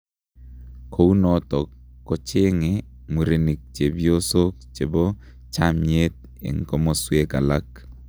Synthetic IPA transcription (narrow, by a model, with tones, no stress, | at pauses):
kʰo˦u˦nɔ˨˦t̪ɔ˨kːɔ˦t͡ʃɪ˦ŋɪ˨ | mu˨ɾe˨ni˨k̚t͡ʃe˨bjo˦so˦kt͡ʃe˨bo˦ | t͡ʃa˦mɲe˦t̪̚ | ḛ˨ŋko˦mo˦swe˦ka˨la˦k